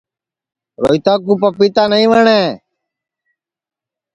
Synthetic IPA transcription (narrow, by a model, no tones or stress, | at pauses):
ɾo̰ːit̪aːkuːpəpit̪aːnəĩːʋəɳeː